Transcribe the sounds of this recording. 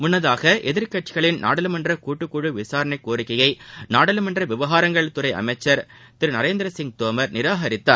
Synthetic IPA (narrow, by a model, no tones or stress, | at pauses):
mʊnːɐðaːɣɐʔɛðɪɾkɐʈt͡ʃːɪɣɐɭɪnna̰ːɽɐlɯmɐndrɐkuːʈːɯkːuɻɯʋɪsaːɾɐɳɐɪkːoːɾɪkːɐjɐɪnaːɽɐlɯmɐndrɐʋɪʋɐɣaːɾɐŋɡɐɭt̪ʊɾɐɪʔɐ̰mɐɪt͡ʃːɐɾ | t̪ɪɾɯnɐɾeːnd̪ɪɾɐsɪŋɡ̚t̪oːmɐɾnɪɾaːɦɐɾɪt̪ːaː